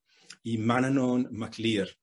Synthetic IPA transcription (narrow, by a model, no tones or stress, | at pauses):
imanənoːnmakʰliːr